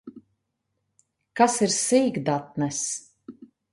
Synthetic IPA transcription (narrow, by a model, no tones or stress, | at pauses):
kasiɾsiːɡd̪at̪̚nɛs